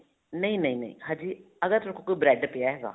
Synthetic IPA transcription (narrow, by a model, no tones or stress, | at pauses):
nəĩnəĩːnə̰̃ḭ̃ːhãːd͡ʒiː | əɡəɾt̪ʊɾkʰõːkoiːbɾɛːɖpeaːɦɛːɡa̰ː